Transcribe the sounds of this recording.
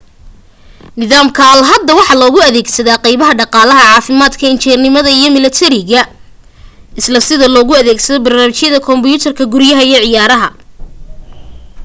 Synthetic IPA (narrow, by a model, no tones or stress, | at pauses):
nɪðaːmkʰɐlɦɐd̪ːɐwɑħɑlɔːɣʊɐðɛːɡsɐðaːqɑjβɐɦɐɖɑqɑːlɐɦɐʕɑːfɪmaːd̪kʰɐɪnt͡ʃʰɛrnɪmɐðɐijɞmɪlɐt̪ʰɛɾɪɣɐ | ɪslɐsɪðɐlɔːɣʊɐðɛːɡsɐðɔbɐrnaːmɪt͡ʃjɐðɐkʰɔmbijuːt̪ʰɐrkʰɐɡʊɾjɐɦɐijɔʕɪjaːɾɐɦɐ